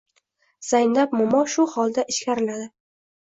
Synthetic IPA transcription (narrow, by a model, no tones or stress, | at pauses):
z̥ajnlapmʊmɒʃʊhɒlˠd̪aʔɪʃkʲʰaɾɪlad̪ɪ